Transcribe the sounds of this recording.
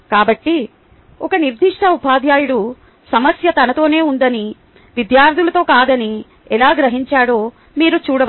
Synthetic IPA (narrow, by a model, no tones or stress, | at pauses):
kaːbɐʈːi | ɔkɐniɾd̪ʱiʂʈʰɐupaːd̪jaːjuɽu | sɐmɐsjɐt̪ɐnɐt̪o̞ːne̞ːund̪ɐni | ʋid̪jaːɾt̪ʰilɐt̪o̞ːkaːd̪ɐni | ɛlaːɡɾɐɦiɲt͡ʃaːɽo̞ː | miːɾut͡ʃuːɽɐ